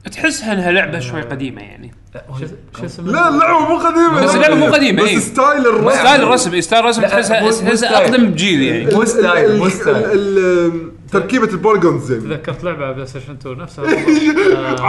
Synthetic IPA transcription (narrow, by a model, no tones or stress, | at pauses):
ʔt̪ħɪsːhaʔɪnːɦalʊʕbaʃwajqɑd̪iːma̰ja̰ʕnḭ | lalːʊʕbamuːqɑd̪iːmaasːɪllʊʕbamuːqɑd̪iːmabasɪst̪aːjlɪrˤːɑst̪aːjlrˤːɑsmʔst̪aːjlrˤɑs̬mt̪ħɪsːhaasaʔɑqd̪ambd͡ʒiːðija̰ʕni | t̪ɑɾkiːbalbɑlɡonzajmðakːɑɾˤt̪lʊʕbabsaʃɪnt̪unafsʔ